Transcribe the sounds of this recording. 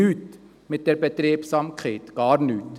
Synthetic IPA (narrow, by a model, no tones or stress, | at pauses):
ʉt̪ | met̪̚d̪ɛɾbət̪ɾeːpsɑmkʰet̪ɡ̥ɑːɾnʉt̪